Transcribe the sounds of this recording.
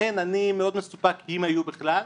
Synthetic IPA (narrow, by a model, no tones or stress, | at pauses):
enanimeo̞d̪mesu̥pakhimajubeχlal